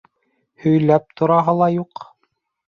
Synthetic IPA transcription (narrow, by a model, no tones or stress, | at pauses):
hɵ̆jlæp̚t̪ʰŏɾɑɦɑlˠɑjuq